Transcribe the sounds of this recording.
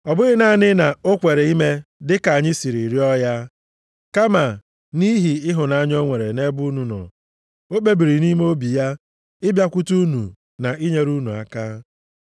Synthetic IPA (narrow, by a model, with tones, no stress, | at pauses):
ɔ˨bʊ˦ɾɪ˦na˦˨nɪ˦na˨o˦kʷe˨ɾe˨i˦me˦dɪ˦ka˨ɲɪ˦si˨ɾi˨ɾi˦ɔ˦ja˦ | ka˦ma˨ | ni˦ɦi˨ɪ˦ɦʊ˨na˨a˦ɲɔ˦ŋʷe˨ɾe˨ne˦bu˦nu˨nɔ̰˨ | o˦k͡pe˦bi˨ɾi˨ni˦me˦o˦bi˨ja˦ | ɪ˦bja˦kʷu˦tu˦nṵ˨ | na˨ʔi˦ɲe˦ɾu˦nu˨a̰˨ka˦